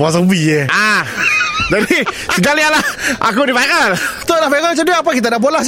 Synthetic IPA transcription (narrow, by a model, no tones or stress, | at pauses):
as̬əbiea | d͡ʒadisəɡalialahʔa̰kudipaikant̪odapajkat͡ʃadap̬akit̪adaʔbolah